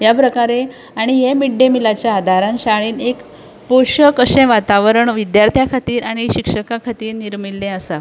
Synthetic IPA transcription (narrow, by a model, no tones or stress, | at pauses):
japɾəkaɾe | aɽ̃ijemiɖemilat͡ɕjaːd̪ʱaɾãnɕaɭiːnek | poɕəkəɕẽʋat̪aʋəɾəɳʋid̪jaɾt̪ʰjakʰat̪iːɾaɽ̃iɕikʂəkakʰat̪iːɾniɾmilːẽəsa